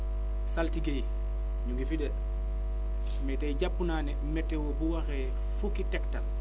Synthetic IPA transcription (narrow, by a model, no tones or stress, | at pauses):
saltiɡej | ɲuŋɡifidɐ | mɛtejɟapːunaːnɛmɛtːɛwobuwaxɛ | fukitɛktal